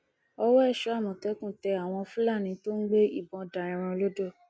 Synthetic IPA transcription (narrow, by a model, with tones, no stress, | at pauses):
ɔ˧wɔ˦ɛ˦˨ʃɔ˨˦a˦˨mɔ̃˨tɛ˨˦kũ˦˨tɛ˧a˨w̃ɔ̃˧fũ˦la˦˨nĩ˨˦to˦n̩˦ɡ͡be˦i˦˨bɔ̃˨˧˨da˨ɾĩ˨˧ɾ̃ɔ̃˧lo˦do˦˨